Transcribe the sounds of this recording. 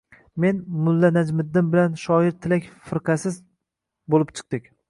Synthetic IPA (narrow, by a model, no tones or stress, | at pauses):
me̞nmʊlːanad͡ʒmɪd̪ːɪnbɪlanʃɒɪɾt̪ʰɪlakʲfɪɾqʰɑsɪz | bolɪpt͡ʃʰɨ̥q̚d̪ɪk̚ʲ